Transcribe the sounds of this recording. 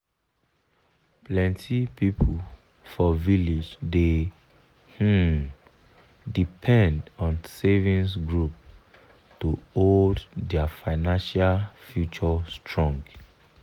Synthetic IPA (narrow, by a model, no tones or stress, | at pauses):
plɛ̃ntʰipipʰul | fɔvilid͡ʒde | h̩ | dipʰɛ̃ndɔ̃nsevĩnsɡɹup | tuoddɛafaɪnãnʃalfjut͡ʃɔstɹɔ̃ŋɡ